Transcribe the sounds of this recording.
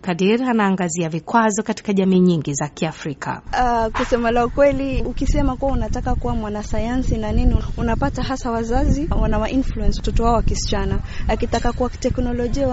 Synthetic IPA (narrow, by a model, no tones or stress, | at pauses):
kadiɾianaːŋɡaziavikwazɔkati̥kaʄamiːɲiŋɡizakiafɾikʰa̰akusɛmalaukwɛliukisɛmakuwaunatakakuwamwanasajansinaniniunapataɦasawazaziwanawaʔinfluɛnsatɔtɔwaɔwakisi̥t͡ʃana | akitakakuwai̥tɛknɔlɔʄia